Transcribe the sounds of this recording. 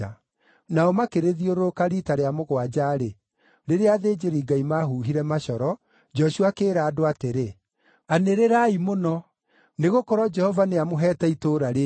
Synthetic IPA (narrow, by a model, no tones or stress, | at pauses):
a | naɔmakeɾeðioɾookaɾitaɾeamoɣwad͡ʒaɾe | ɾeɾeaðeːd͡ʒeɾiɡaimaɦuɦiɾɛmaʃɔɾɔ | d͡ʒɔʃuakeːɾaːdoateɾe | aneɾeɾaimonɔ | neɣokɔɾɔd͡ʒɛhɔvaneamoɦɛːtaitoɾaɾe